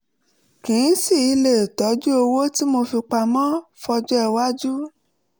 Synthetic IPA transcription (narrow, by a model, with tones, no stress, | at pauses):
kĩ˨˦si˦˨i˧le˨tɔ˨˦d͡ʒu˦o˧wo˦ti˦mo˧fi˧k͡pa˧mã˦fɔ˧d͡ʒɔ˦ɛ˦˧wa˦d͡ʒu˦